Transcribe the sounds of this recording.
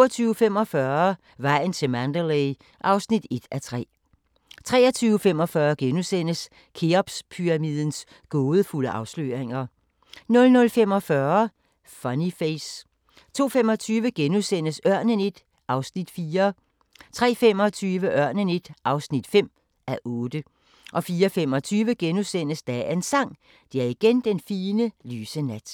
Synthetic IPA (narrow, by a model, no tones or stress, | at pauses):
ɒt͡sʰyːʊəfem̰ɒ̽fɶɐ | ʋɑ̈ɪ̰n̩t͡sʰe̝lmænd̥əleɪ | ʔɑ̈ʊsnid̥e̝d̥æt͡sʰʁɛ̰ː | t͡sʰʁɛ̰ːɐt͡sʰyːʊəfemɒ̽fɶːɐɡ̥enusen̰əs | kʰeɒb̥spʰyʁɑmið̰ˠən̩s | ɡ̥ɔ̽ːð̩ˠfuləʔɑ̈ʊslø̰ːʁeŋɐ | nɔ̽lnɔ̽lfem̰ɒ̽fɶːɐ | fɒnifeɪs | t͡sʰo̝̰ːfemɒ̽t͡sʰyːʋəɡ̥enusen̰əsɶɐ̰nəne̝d̥ | ʔɑ̈ʊsnid̥fiːɐ | t͡sʰʁɛ̰ːfem̰ɒ̽t͡sʰyːʋəʔɶɐ̰nəne̝d̥ʔɑ̈ʊsnid̥fem̰ | ʔæʔɔ̽ːd̥ə | ʔɒ̽fiːɐfemɒ̽t͡sʰyːʋəɡ̥enusen̰əsd̥æensɑ̈ŋ̰ | d̥e̝æɐiɡ̥end̥enfiːnəlyːsənæd̥